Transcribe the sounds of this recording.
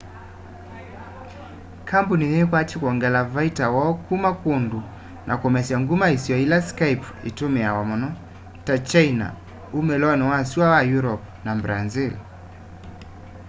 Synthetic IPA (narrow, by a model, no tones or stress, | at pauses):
kʰampuninɛkwat͡ʃikuɔŋɡɛlavaitawɔkumakundu | nʔa̰kɔmɛsiaŋɡumaisiɔilaskajp | ḭtumiawamɔnɔ | tat͡ʃajna̰ | umɛlɔnɛwasiwawajuɾɔp | nambɾanzil